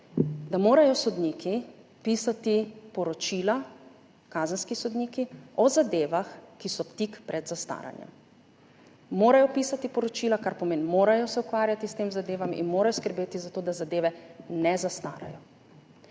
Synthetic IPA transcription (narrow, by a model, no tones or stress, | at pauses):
d̪amoːɾajɔsɔd̪niki | piːsat̪ipɔɾɔt͡ʃiːla | kaːzənskisɔd̪niːkiɔzad̪eːʋaxkisɔpt̪ikpɾɛd̪zast̪a̰ːɾa̰njɛ̰m | moːɾajɔpiːsat̪ipɔɾɔt͡ʃiːlakaɾpɔmeːnmoːɾajɔsɛukʋaːɾjat̪ist̪eːmzad̪eːʋamḭnmoːɾajɔskəɾbeːt̪izat̪oːd̪azad̪eːʋɛnɛzast̪a̰ːɾa̰jɔ